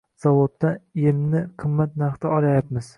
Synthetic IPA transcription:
z̥ɒvod̪ːaelmnɪqʰɨmːat̪naχt̪ʰɪɒlajapmɪz̥

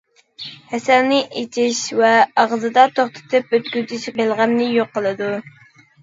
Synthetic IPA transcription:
hɛsælnɪʔet͡ʃʰiʃvɛɑʁzɨd̪ɑt̪ʰoχt̪ʰɨ̥t̪ʰɨpøt̪kʲyt̪ɪʃbelˠʁæmnɪjoqːəlˠɨd̪u

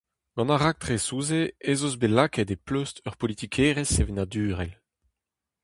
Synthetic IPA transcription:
ɡ̥ɑ̃naʁak̚t̪χesuːzeezozbelakɛd̪epløstœʁpɔlit̪ikʰeːʁesevenad̪yːʁɛl

